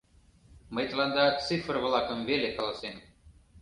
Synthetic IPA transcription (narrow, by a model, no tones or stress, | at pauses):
məjt̪lˠɑnd̪ɑt̪t͡sɨfrvlˠɑkəmvelʲekɑlˠɑsem